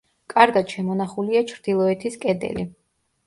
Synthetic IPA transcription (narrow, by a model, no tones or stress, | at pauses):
kʼaɾɡad̪̥ʃɛmɔnaχuliat͡ʃʰɾd̪ilˠɔɛt̪ʰiskʼɛd̪ɛ̰li